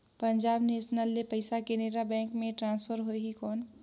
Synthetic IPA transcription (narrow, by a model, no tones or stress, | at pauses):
pɐ̃ɲd͡ʒaːbneːʃnəlːepɐɪsakeneːɾabɛ̃ːŋkmẽʈɾãːnspʰəɾɦoeɦikɔːn